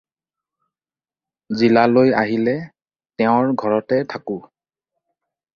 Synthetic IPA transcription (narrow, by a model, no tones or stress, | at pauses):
zilaloja̰ɦilɛ | tɛʊ̃ɹɡʱɔɹɔtɛtʰakʊ